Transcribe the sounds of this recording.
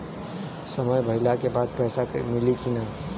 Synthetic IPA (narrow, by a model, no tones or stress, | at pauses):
səməjbʱəɦɪlakebaːd̪̚pɛːsamɪlikina